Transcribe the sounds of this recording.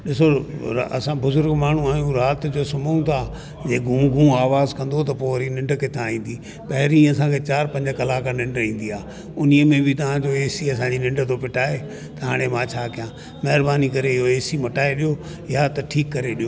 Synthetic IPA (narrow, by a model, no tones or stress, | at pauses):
ɗɪsoɐ̰sãbʊzʊɾɡmaːɳ̤ũaːjũɾaːt̪d͡ʑoːsʊməũt̪ʰaː | d͡ʑeːɡʱũːɡʱũːaːʋaːzkɐ̃nd̪ot̪̬ɐpoːɐɾinɪ̃ɳɖkɪt̪ʰãĩːnd̪iː | pɐɦɪɾĩɐsãːkʰet͡ɕaːɾpɐ̃ɲd͡ʑəkɐlaːkanɪ̃ɳɖĩːn̆d̪iaː | ʊniəmẽbʱɪt̪ɐʋ̤ãd͡ʑoːeːsiɐsãːɲd͡ʑinɪ̃ɳɖt̪opɪʈaːe | t̪ɐɦaːɽ̃emãːt͡ɕʰaːkɪjãː | mɐɦɪɾbaːnikɐɾeɪɦoeːsimɐʈaːeɗijoː | jat̪ɐʈʰiːkːɐɾeɗijoː